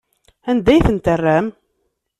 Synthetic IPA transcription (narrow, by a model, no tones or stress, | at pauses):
ænd̪æjθənt̪ərːæm